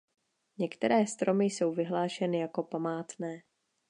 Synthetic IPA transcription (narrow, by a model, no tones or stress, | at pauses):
ɲɛkt̪ɛɾɛːst̪ɾo̞mɪjso̞wvɪɦlaːʃɛnɪjako̞pamaːt̪nɛː